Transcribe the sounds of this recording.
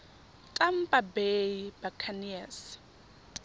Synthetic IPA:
tʼam̩pʼabeibakʰanias

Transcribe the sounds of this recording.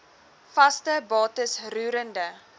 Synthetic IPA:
fɐstəbɑːtəsruːɾəndə

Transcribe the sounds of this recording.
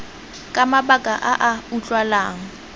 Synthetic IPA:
kʼamabakʼaʔaʔaut͡ɬʼwalaːŋ̩

